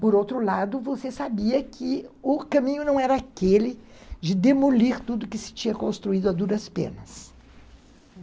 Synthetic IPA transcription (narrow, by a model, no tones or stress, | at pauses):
poɾowt̪ɾʊlad̪ʊvosesabiɐkʰɪʊkɐ̃mĩɲʊnɐ̃w̃ɛɾɐakelɪd͡ʒɪd̪emoliɾt̪ud̪ʊkɪsɪ̥t͡ʃĩɲɐkõst̪ɾuid̪ʊad̪uɾɐspḛ̃nɐs